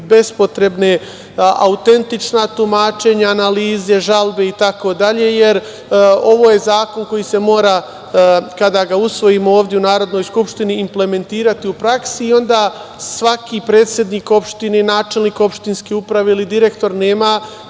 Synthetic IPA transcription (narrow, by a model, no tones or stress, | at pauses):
be̞spo̞t̪ɾe̞bne̞ | ʔaut̪e̞nt̪it͡ʃnat̪umaːt͡ʃe̞ɲaːnaliːze̞ʒalbe̞it̪ako̞d̪aʎe̞je̞ɾ | o̞ʋo̞ːje̞zaːko̞nko̞jise̞mo̞ːɾa | kad̪aɡausʋo̞jimo̞oːʋd̪jeunaːɾo̞d̪no̞jskupʃt̪iniːmple̞me̞nt̪iːɾat̪iupɾaksiːo̞nd̪a | sʋakipɾe̞ːt̪sʲje̞d̪niːko̞pʃt̪inenaːt͡ʃe̞lˠniːko̞pʃt̪inskeupɾaʋeilid̪iɾe̞kt̪o̞ɾne̞ːma